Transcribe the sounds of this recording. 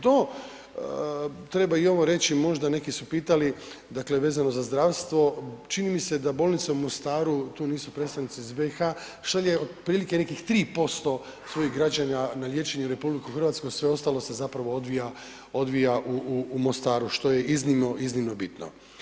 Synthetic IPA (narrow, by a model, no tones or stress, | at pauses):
d̪o | t̪ɾe̞baio̞ʋoɾe̞t͡ɕimo̞ʒd̪ane̞kisupiːt̪alid̪akle̞ʋe̞ːzano̞zazd̪ɾaʋst̪ʋo̞t͡ʃinimise̞d̪abo̞lnit̪seumo̞st̪aːɾut̪uːniːsupɾeːt̪st̪aʋnit̪siizbe̞ixa | ʃalʲeod̪pɾiːlike̞ne̞kixt̪ɾiːpo̞st̪o̞ | sʋo̞jixɡɾad͡ʑaɲanalje̞ːt͡ʃe̞ɲuɾe̞publikuxrʋat̪skojsʋe̞o̞st̪alˠo̞se̞zapɾaʋo̞od̪ʋija | o̞d̪ʋijaʔuuːmost̪aːɾuʃt̪o̞je̞iznimnoʔiznimno̞bit̪no̰